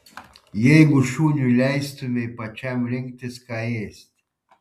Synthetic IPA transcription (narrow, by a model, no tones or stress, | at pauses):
jejɡuʃunʲulʲajst̪ɨmʲejpat͡ʃamlʲeŋɡt̪ʲeskajesʲt̪ʲ